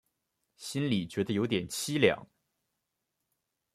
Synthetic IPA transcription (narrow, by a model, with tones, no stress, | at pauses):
ɕi˥nli˨˩t͡ɕɥɛ˧˥d̪ə˧jo˧˥ʊt̪jɛ˨˩nt͡ɕʰi˥ljɑ̰˨˩˦ŋ